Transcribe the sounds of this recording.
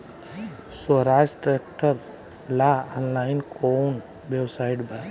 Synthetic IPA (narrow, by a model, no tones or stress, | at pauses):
səɾaːd͡ʒʈɾeːk̚ʈəɾ | laanlaːɪnkʰoːn | ʋewsaːɪɖba